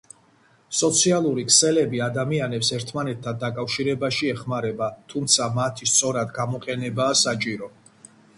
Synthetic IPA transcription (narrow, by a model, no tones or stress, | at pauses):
sɔt̪sʰialˠuɾikʰsɛlɛbiad̪amianɛpsɛɾt̪ʰmanɛt̪̚ʰːand̪akʼafʃiɾɛbaʃiɛχmaɾɛbat̪ʰumt̪sʰamat̪ʰist̪sʼɔɾad̪ɡamɔqʼɛnɛbaːsat͡ʃʼiɾɔ